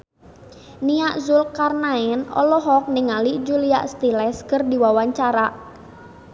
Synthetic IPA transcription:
niaʔzulkarnaɛnɔ̰lɔɦɔk̚nɪŋaliʔd͡ʒulia̰ʔst̪ilɛskərdiwawaɲt͡ʃaɾaʔ

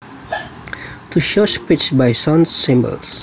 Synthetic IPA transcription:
t̪ʰuʃɔʃpɪt͡ʃbaɪsɔ̃nssɪ̃mbə̰lˠs

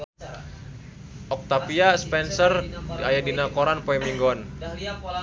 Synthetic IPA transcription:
ʔɔk̚t̪apiaspɛnsərajadinakɔɾanpɔɛmiŋɡɔn

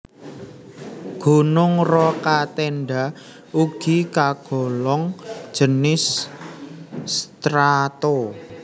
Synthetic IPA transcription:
ɡ̥ṳnʊŋrɔkat̪enɖa | uɡ̥ikaɡ̥ɔ̤lɔŋ̥ʒ̥ənɪs | t̪ɾat̪o

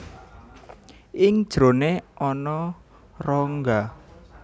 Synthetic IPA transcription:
ʔɪŋd̥ʒ̥ɾo̤neʔɔnɔ | rɔŋɡa

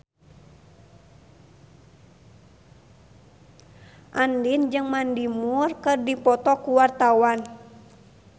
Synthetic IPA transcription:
ʔandind͡ʒɨŋmandimurkɨrdipɔt̪ɔkuwart̪awan

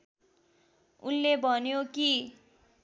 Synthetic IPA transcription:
unlebʱʌnjoki

